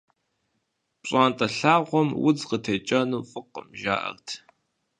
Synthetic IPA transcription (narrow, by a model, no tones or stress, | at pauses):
pɕʼaːntʼɐɬaːʁʷɔmwʊ̰d͡zqətʰeːt͡ʃʼɐnuːfʼɨqə̰mʒa̰ːʔɐ̰rtʰ